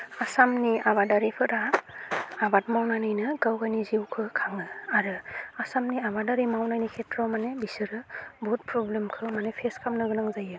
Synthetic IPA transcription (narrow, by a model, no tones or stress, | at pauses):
asamniaβadaɾipʰɯɾa | abat̚mawnanɯjnɯɡawɡajniziwkʰɯkʰaŋɯaɾɯasamniabadaɾimawnajnikʰetɾɔmanebisɯɾɯbɔt̚pɾɔblemkʰɯmanepʰeskʰamnɯɡɯnaŋzajɯ